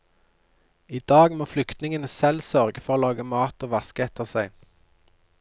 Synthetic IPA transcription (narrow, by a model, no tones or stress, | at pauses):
iːd̪ɑːɡmoːflʏkt̪nɪŋənəsɛlsœʁɡəfɔʁoːlɑːɡəmɑːt̪oːʋɑskəɛt̪ʰəʁsæɪ